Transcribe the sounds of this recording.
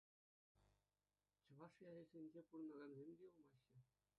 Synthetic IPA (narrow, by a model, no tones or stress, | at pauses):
t͡ɕɤ̆ʋɑʂjɑɾʲezʲenʲd͡ʑepuɾɤ̆nɑɡɑnzʲemʲdʲeɤlˠmɑɕːɤ̆